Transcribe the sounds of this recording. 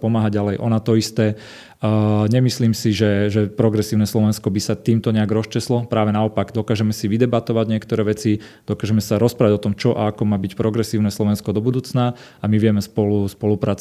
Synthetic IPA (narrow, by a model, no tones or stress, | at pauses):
pɔmaːɦaɟalɛjʔɔnat̪ɔist̪ɛː | ɲɛmisliːmsiʒɛʒɛpɾɔɡɾɛsiːʊnɛːslɔʋɛnskɔbisat̪iːmt̪ɔɲɛaɡɾɔst͡ʃɛslɔpɾaːʋɛnaɔpaɡd̪ɔkaːʒɛmɛsiʋid̪ɛbat̪ɔʋaɟɲɪɛkt̪ɔɾɛːʋɛt͡si | d̪̥ɔkaːʒɛmɛsaɾɔspɾaːʋaɟɔt̪ɔmt͡ʃɔʔa̰akɔmaːbicpɾɔɡɾɛsiːʊnɛːslɔʋɛnskɔd̪ɔbud̪uːt͡sna | amiʋɪɛmɛspɔluspɔlupɾaːt͡s